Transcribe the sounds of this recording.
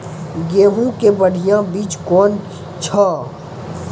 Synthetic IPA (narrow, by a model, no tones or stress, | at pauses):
ɡeːɦũkebəɽ̤ijãbiːt͡ʃkɔːn | t͡ʃʰaː